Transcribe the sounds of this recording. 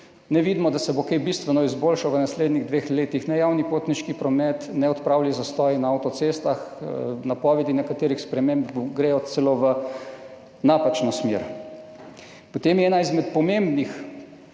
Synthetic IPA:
nɛʋid̪mɔd̪asɛbokebist̪ʋɛnɔizbolʃawʋənasleːd̪niɣd̪ʋexleːt̪ixnɛjawnipoːt̪niʃkipɾɔmɛt̪nɛɔt̪pɾaːwljɛzast̪ɔːjnaawt̪ɔsest̪axnapɔʋɛd̪inɛkat̪eːɾixspɾɛmembɡɾeːjɔt̪sɛloːʋə | napat͡ʃnɔsmḛɾ | pɔt̪eːmjɛɛːnaizmɛt̪pɔmembnix

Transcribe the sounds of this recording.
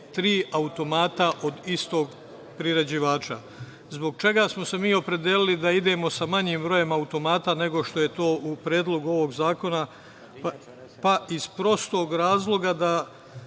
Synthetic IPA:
t̪ɾiːaut̪o̞maːt̪aʔo̞d̪ist̪o̞ːɡ | pɾiɾe̞d͡ʑiʋaːt͡ʃa | zbo̞ɡ̚t͡ʃe̞ɡasmo̞se̞miːo̞pɾe̞d̪jeːlilid̪aid̪e̞mo̞samaɲiːmbɾo̞je̞maut̪o̞maːt̪ane̞ɡo̞ʃt̪o̞je̞t̪o̞ːʔupɾʲeːd̪lˠo̞ɡuo̞ʋo̞ɡzaːko̞na | paizpɾo̞st̪o̞ːɡɾaːzlˠo̞ɡad̪a

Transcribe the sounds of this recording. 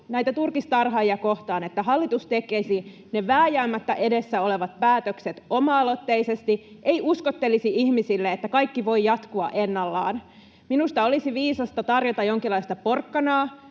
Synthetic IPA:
næjt̪æt̪urkist̪ɑrɦɑijɑko̞ht̪ɑːnet̪ːæɦɑlːit̪ust̪ekːˑesi | neʋæːjæːmːæt̪ːæʔe̞desːæo̞le̞ʋɑt̪̚pæːt̪økset̪o̞mɑːlo̞t̪ːeise̞st̪iʔeiʔuskot̪ːe̞lisiihmisilːeet̪ːækɑjkːiʋo̞jjɑt̪kuɑ̰ʔe̞nːɑlːɑ̰ːn | minust̪ɑo̞lisiʋiːsɑst̪ɑt̪ɑrjot̪ɑjoŋkilːˑɑist̪ɑpo̞rkːɑnɑː

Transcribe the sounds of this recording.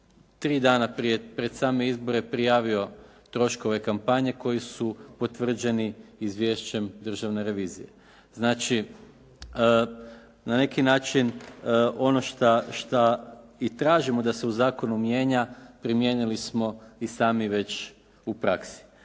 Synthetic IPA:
t̪ɾiːd̪aːnapɾije̞pɾe̞d̪saːme̞izbo̞ɾe̞pɾijaːʋio̞t̪ɾo̞ʃko̞ʋe̞kampaɲe̞ko̞jisupo̞t̪ʋr̩d͡ʒe̞niizʋje̞ʃt͡ɕe̞md̪r̩ʒaʋne̞ɾe̞ʋiːzḭje̞̰ | znaːt͡ʃi | nane̞kinaːt͡ʃinʔo̞no̞ʃt̪aʃt̪ait̪ɾaːʒimo̞d̪ase̞uzaːko̞numje̞ːɲapɾimje̞nilismo̞isaːmiʋe̞t͡ɕ | upɾaksi̥

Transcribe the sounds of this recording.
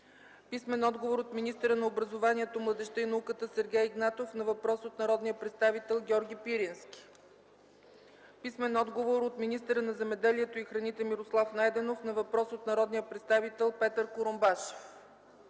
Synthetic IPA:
pismɛnɔd̪ɡovoɾot̪minist̪əɾənɐobɾɐzovaniɛt̪omlˠəd̪ɛʃt̪əinɐukət̪əsɛɾɡʲɛjiɡnat̪ofnɐvɐpɾɔsot̪nɐɾɔd̪nijəpɾɛt̪st̪avit̪ɛlˠɡʲɔɾɡʲipiɾinskʲi̥ | pismɛnɔd̪ɡovoɾot̪minist̪əɾənɐzɛmɛd̪ɛliɛt̪oixɾɐnit̪ɛmiɾoslˠafnajd̪ɛnofnɐvɐpɾɔsot̪nɐɾɔd̪nijəpɾɛt̪st̪avit̪ɛlˠpɛt̪əɾkoɾombaʃo̥f

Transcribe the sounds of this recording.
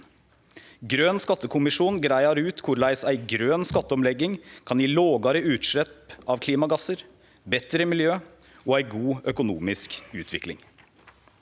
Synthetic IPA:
ɡɾøːnskɑt̪ːəkʰʊmɪʂuːnɡɾæɪɑɾʉːt̪kʰʊɾlæɪsæɪɡɾøːnskɑt̪ːəɔmlɛɡɪŋkʰɑnjiːloːɡɑɾəʉːt̪ʂlɛpɑʋkʰliːmɑɡɑsəɾ | bɛt̪ɾəmɪljøː | ɔæɪɡuːœkʊnuːmɪskʉːt̪ʰʋɪklɪ̰ŋ

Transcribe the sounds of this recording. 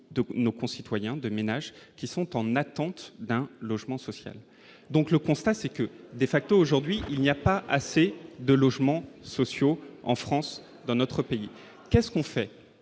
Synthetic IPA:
d̪ənokɔ̃sit̪wajɛ̃d̪əmenaʒkʲisɔ̃t̪ɑ̃nat̪ɑ̃t̪d̪ɛ̃lɔʒmɑ̃sɔsja̰l | d̪ɔ̃kləkɔ̃st̪asɛkəd̪efak̚t̪oːʒuʁd̪ɥiʔilnijapaʔa̰sed̪əlɔʒmɑ̃sɔsjoɑ̰̃fχɑ̃s | d̪ɑ̃nɔt̪χəpei | kʲɛskɔ̃fɛ

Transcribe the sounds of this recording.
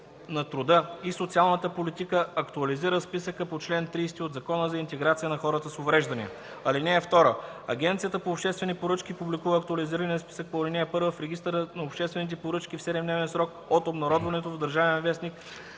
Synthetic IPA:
nɐt̪ɾʊd̪ɤisot̪sialˠnət̪əpolit̪ikəɐkt̪ʊɐliziɾəspisəkəpot͡ʃlɛnt̪ɾiːst̪iod̪zɐkɔnəzɐint̪ɛɡɾat̪siənɐxɔɾət̪əsovɾɛʒd̪ɐniə̰ | ɐlinɛːft̪ɔɾəɐ̰ɡʲɛnt̪sijət̪əpoːpʃt̪ɛst̪vɛnipoɾɤt͡ʃkipublikuvəːkt̪ʊɐliziɾəniəspi̥sək̚polinɛːpɤɾvəfɾɛɡʲist̪əɾənɐopʃt̪ɛst̪vɛnit̪̬ɛpoɾɤt͡ʃkifsɛd̪ɛmd̪nɛvɛnsɾɔk | ot̪obnɐɾɔd̪vɐnɛt̪ovd̪ɐɾʒavɛnvɛsnik

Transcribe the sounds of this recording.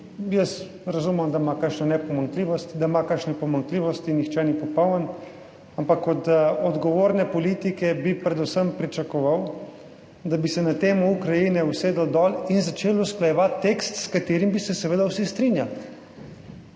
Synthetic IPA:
jəs | ɾazumɛmd̪aimakəkʃnanɛpɔmaŋkliːʋɔst̪id̪aimakəɾʃnɛpɔmaŋkliːʋɔst̪inixt͡ʃɛnipɔpɔwnən | ampakɔt̪ɔd̪ɡɔʋoːɾnɛpɔliːt̪ikɛbipɾɛd̪usəmpɾit͡ʃakɔʋaw | d̪abisɛnat̪eːmɔukɾajinɛuseːd̪ɔd̪ɔːlinzat͡ʃeːlusklajɛʋat̪ːekst̪skat̪eːɾimbisɛsɛʋeːd̪awsist̪ɾinjal

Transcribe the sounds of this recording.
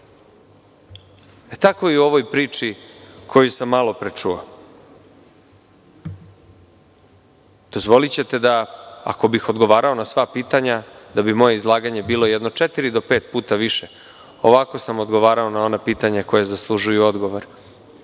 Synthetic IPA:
et̪ako̞iuo̞ʋojpɾiːt͡ʂikʰo̞jusamːalo̞pɾet͡ʂuo | d̪̥o̞zʋo̞lit͡ɕe̞t̪e̞d̪aa̰ko̞bixo̞d̪ɡo̞ʋaːɾao̞nasʋapiːt̪aɲad̪abimo̞jeizlˠaːɡaɲe̞biːlo̞jɛd̪no̞t͡ʂet̪iɾid̪o̞peːt̪̚puːt̪aʋiʃe | o̞ʋako̞samo̞d̪ɡo̞ʋaːɾao̞nao̞napiːt̪aɲako̞jezaslˠuʒujuo̞d̪ɡo̞ʋoɾ

